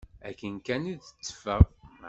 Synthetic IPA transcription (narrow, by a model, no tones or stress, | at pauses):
ækːənkæniðə̥t͡sːə̥fəʁm